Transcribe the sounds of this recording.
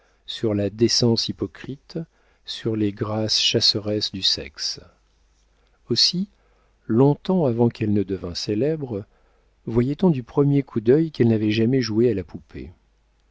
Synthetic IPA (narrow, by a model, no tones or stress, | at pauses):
syʁlad̪esɑ̃sipɔkχit̪ | syʁleɡʁasʃasəʁɛsd̪ysɛ̰ks | osi | lɔ̃t̪ɑ̃avɑ̃kɛlnəd̪əvɛ̃selɛbʁ | vwajɛt̪ɔ̃d̪ypχəmjekʰud̪œjkɛlnavɛʒamɛʒuealapupʰḛ